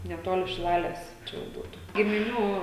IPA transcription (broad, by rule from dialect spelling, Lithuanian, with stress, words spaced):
nʲɛˈtoːlʲɪ ʃʲɪˈlˠɑːlʲɛs ˈt͡ʃʲɛ jɛʊ ˈbuːtʊ ɡʲɪmʲɪˈnʲuː